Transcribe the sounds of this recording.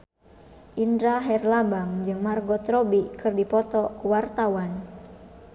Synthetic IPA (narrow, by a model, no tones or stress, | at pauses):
ʔindɾaɦɛrlabaŋd͡ʒɨŋmarɡɔt̪ɾɔbikɨrdipɔt̪ɔkuwart̪awan